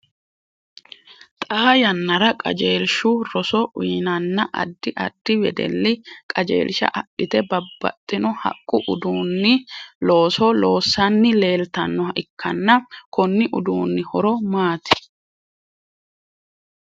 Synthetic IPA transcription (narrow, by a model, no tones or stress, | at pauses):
t̪ʼaːjɐnːɐɾɐkʼɐ̰d͡ʒeːlʃʊɾɔsɔʔiːnɐnːɐʔɐ̰d̪ːɪʔɐ̰d̪̥ːɪwɛ̰d̪ɛ̰lːɪkʼɐd͡ʒḛːlʃɐ̰ʔɐɗɪt̪ɛbɐbːɐ̰t̪ʼːɪnɔhɐ̰kʼːʊʔʊd̪uːnːɪlo̞ːsɔloːsːɐnːɪle̞ːlt̪ɐnːɔɪkʰːɐnːɐkɔnːɪʔʊd̪uːnːɪhɔɾɔmaːt̪ɪ̥